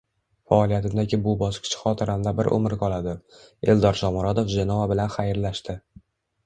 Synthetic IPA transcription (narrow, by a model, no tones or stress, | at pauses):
faɒlˠijat̪ʰɪmd̪aɡʲɪbʊbɒʃqʰɪ̥t͡ʃʰḁχɒt̪ʰɪɾʔamlabɪɾʔo̰mɪɾkɒlˠad̪ɪe̞ld̪ɒɾʃɒmʊɾat̪ofd͡ʒanɒabɪlanχajɾlaʃt̪ɪ